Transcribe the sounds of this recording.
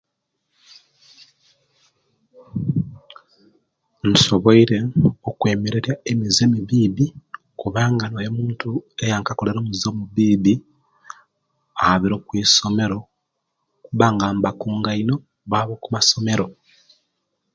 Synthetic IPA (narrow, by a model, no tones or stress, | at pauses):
n̩so̞βo̞iɾe̞okwe̞ːmeɾeɾjaemizemiβiːβi | kuβaːŋɡanojemuːntue̞jaŋkako̞le̞ɾoːmuzomuβiːβi | aaβiɾo̞ːkwiːso̞me̞ɾo̞ | kuβaːŋɡambakuːŋɡaino̞ | βaːβokumaso̞me̞ɾo̞